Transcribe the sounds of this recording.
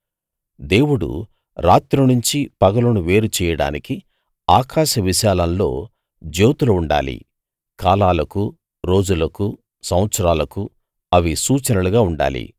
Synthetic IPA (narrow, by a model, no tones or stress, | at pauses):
d̪e̞ːwuɽṵ | ɾa̰ːt̪ɾunuɲt͡ʃipɐɡɐlɐnuʋeːɾut͡ʃɛːjɐɽa̰ːniki | aːkaːʃɐʋiʃaːlɐnlo̞̰ː | d͡ʒoːt̪uluuɳɖa̰ːlḭ | kaːlaːlɐku | ɾo̞ːd͡ʒulɐku | sɐwɐt̪sɐɾaːlɐku | ɐʋisuːt͡ʃɐnɐluɡaːuɳɖa̰ːlḭ